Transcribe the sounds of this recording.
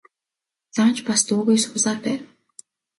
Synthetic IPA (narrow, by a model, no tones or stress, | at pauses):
t͡sant͡ɕpast̪uːɣeːjsʊɮaːrpæːw